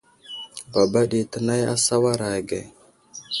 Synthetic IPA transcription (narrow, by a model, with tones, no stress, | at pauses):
ba˨ba˦ɗi˨tə˨na˦ja̰˦sa˦wa˦ɾa˨ɡḛ˨